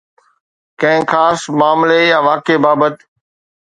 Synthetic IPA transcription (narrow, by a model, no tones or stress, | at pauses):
kɐ̃ɦɪ̃xaːsmaːmlejãːʋaːkebaːbət̪